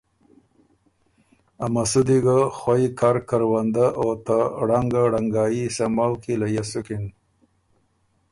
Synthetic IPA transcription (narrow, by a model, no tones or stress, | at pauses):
amasud̪iɡaxwaikaɾkaɾwand̪aʔot̪aɽaŋɡaɽaŋɡɑːjisamalkilajasukin